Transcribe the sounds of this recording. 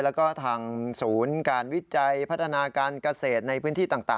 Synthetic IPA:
lɛː˦˥wkɔː˥˩t̪ʰaː˧ŋsuː˩˦nkaː˧nwi˦˥t͡ɕa˧jpʰt̪̚ʰːa˧naː˧kaː˧nka˧seː˨˩t̪̚na˧jpʰɯː˦˥nt̪ʰiː˥˩t̪aː˨˩ŋt̪a̰ː˨˩

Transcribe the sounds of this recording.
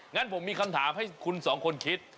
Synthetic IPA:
ŋa˦˥˨npʰo˩˦mːiː˧kʰa˧mt̪ʰaː˩˦mha˥˩jkʰu˧nsɔː˩˦ŋkʰo˧nkʰi˦˥t̪̚

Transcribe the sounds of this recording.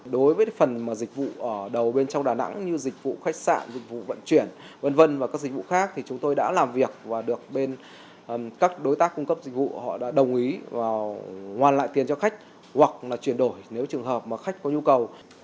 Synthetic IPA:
ɗo˨˦jvəː˨˦fə˨˩nmaː˨˩zk̟̚vṵ˧˨ʔəː˧˩ɗə˨˩wɓe˧nt͡ɕɔ˧wŋ͡mɗaː˨˩na̰˧˥ŋɲɨ˧zï˨˩k̟̚vṵ˧˨xa˦˥k̚sa̰ː˧˨nzi˨˩k̟̚vṵ˧˨və̰˧˨nt͡ɕwi˧˩ən | və˧nvə˧nvaː˨˩kaː˦˥k̚zi˨˩k̚vṵ˧˨xaː˦˥k̚t̪ʰi˨˩t͡ɕʊ˨˦ŋ͡mt̪o˧jɗa̰ː˧˥laː˨˩mvi˨˩ək̚vaː˨˩ɗɨ˨˩ək̚ɓe˧n | kaː˦˥k̚ɗo˨˦jt̪aː˦˥kːʊ˧ŋ͡mkə˦˥p̚zi˨˩k̟̚vṵ˧˨hɔ̰˧˨ɗa̰ː˧˥ɗə˨˩wŋ͡mʔi˨˦vaː˨˩hwaː˨˩nla̰ː˧˨jt̪i˨˩ənt͡ɕɔ˧xa˦˥k̟̚ | hwa˨˩k̚laː˨˩t͡ɕwi˧˩ənɗo˧˩jne˨˦wt͡ɕɨ˨˩əŋɦəː˨˩p̚maː˨˩xa˦˥jk̟̚kɔ˨˦ɲu˧kə˨˩w

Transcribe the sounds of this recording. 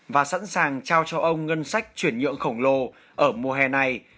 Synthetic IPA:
vaː˨˩sa̰ː˧˥nsaː˨˩ŋt͡ɕaː˧wt͡ɕɔ˧ʔə˧wŋ͡mŋə˧nsa˦˥jk̟̚t͡ɕwi˧˩ənɲɨ̰˧˨əŋxə˧˩wŋ͡mlo˧˩ | ʔəː˧˩mu˨˧˩ɦɛ˧na˨˩j

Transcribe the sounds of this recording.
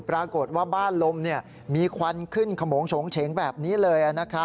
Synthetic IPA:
pɾaː˧ko˨˩t̪̚waː˥˩baː˥˩nlo˧mni˥˩ɐ | miː˧kʰwa˧nkʰɯ˥˩nkʰa˧moː˩˦ŋsʰo˩˦ŋt͡ɕʰe˩˦ŋbɛː˨˩p̚niː˦˥lɤː˧jʔa˨˩na˦˥kʰa˦˥

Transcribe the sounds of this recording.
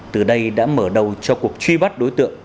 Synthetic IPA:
t̪ɨ˨˩ɗə˧jɗa̰ː˧˥məː˧˩ɗə˨˩wt͡ɕɔ˧ku˨˩ək̚t͡ɕwi˧ɓa˦˥t̚ɗo˨˦jt̪ɨ̰˧˨əŋ

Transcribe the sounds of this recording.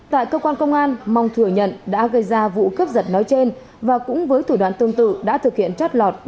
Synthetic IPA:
t̪a̰ː˧˨jkəː˧kwaː˧nkə˧wŋ͡mʔaː˧nma˨˧wŋ͡mt̪ʰɨ˧˩əɲə̰˧˨nɗa̰ː˧˥ɣə˧jzaː˧vṵ˧˨kə˦˥p̚zə˨˩t̚nɔ˨˦jt͡ɕe˧n | vaː˨˩kʊ̰˧˥ŋ͡mvəː˨˦jt̪ʰu˧˩ɗwa̰ː˧˨nt̪ɨ˧əŋt̪ɨ̰˧˨ɗa̰ː˧˥t̪ʰɨ˨˩k̚hḭ˧˨ənt͡ɕa˦˥t̚lɔ˨˩t̚

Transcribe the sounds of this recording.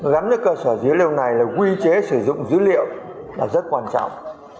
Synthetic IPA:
ɣa˨˦mnɨ˦˥kəː˧səː˧˩zɨ˨˦əli˧wna˨˩jlaː˨˩kwi˧t͡ɕe˨˦sɨ˧˩zʊ̰˧˨ŋ͡mzɨ̰˧˥lḭ˧˨əwlaː˨˩zə˦˥t̚kwaː˧nt͡ɕa̰˧˥˨wŋ͡m

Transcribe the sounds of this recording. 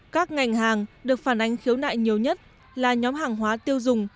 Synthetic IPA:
kaː˦˥k̚ŋa˨˩jŋ̟ɦaː˨˩ŋɗɨ˨˩ək̚faː˧˩nʔa˨˦jŋ̟xi˨˦əwna̰ː˧˨jɲi˨˩əwɲə˦˥t̚ | laː˨˩ɲɔ˨˦mɦaː˨˩ŋɦwaː˨˦t̪i˧əwzʊ˨˩ŋ͡m

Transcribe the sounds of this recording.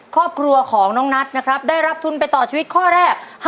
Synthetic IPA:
kʰɾɔː˥˩p̚kʰɾu˧ɐkʰɔː˩˦ŋnɔː˦˥ŋna˦˥t̪̚na˦˥kʰɾa˦˥p̚daː˥˩jɾa˦˥p̚t̪ʰu˧npa˧jt̪ɔː˨˩t͡ɕʰiː˧wi˦˥t̪̚kʰɔː˥˩ɾɛː˥˩k̚h

